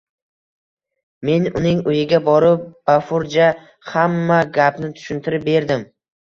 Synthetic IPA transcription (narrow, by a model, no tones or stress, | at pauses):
me̞nʊnɪŋʊjɪɡʲabɒɾɪp̚b̥afʊɾd͡ʒa | hamːaɡʲapnɪt̪ʰʊ̥ʃɪnt̪ʰɪɾɪp̚be̞ɾd̪ɪm